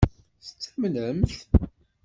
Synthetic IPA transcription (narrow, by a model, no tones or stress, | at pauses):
θət͡sːmləmθ